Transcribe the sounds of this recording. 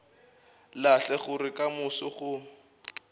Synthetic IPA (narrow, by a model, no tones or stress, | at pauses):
laɬɛχʊrɪkamʊsʊχʊ